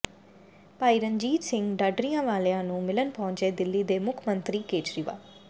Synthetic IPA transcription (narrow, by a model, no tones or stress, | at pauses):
paːiːɾəɲd͡ʒiːt̪sɪ̃ŋɡɖaːɖɾijãːʋaːleãːnũːmɪlənpɔ̃ʊɲt͡ʃeːd̪ɪlːiːd̪eːmʊkʰmənt̪ɾiːkeːt͡ʃɾiːʋa̰ː